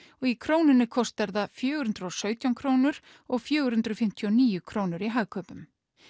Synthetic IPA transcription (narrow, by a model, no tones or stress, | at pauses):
ɔɣikʰɾoːwnɪnːɪkʰɔst̪vɛɾðafjœːɣɾhʉnt̪ɾɔsœːɥt̪jawnkʰɾoːwnʏɾ̥ | ɔɣfjœːɣʏɾhʉnt̪ɾʏfɪm̥t̪ʰjɔniːjʏkʰɾoːwnʏɾiɦaːɣkʰœpʏm